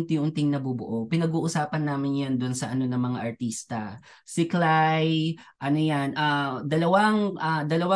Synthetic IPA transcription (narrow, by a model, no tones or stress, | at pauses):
nt̪ɪjŋʔʊnt̪ɪŋnɐbubʊ̰ʔo̞pɪnɐɡuːʔʊsaːpɐnːaːmɪnjand̪ʊnsɐʔɐno̞nɐŋmɐŋaʔɐɹt̪iːst̪ɐ | sɪklaj | ʔɐnojanʔaːd̪ɐlɐwaŋʔad̪ɐlɐwa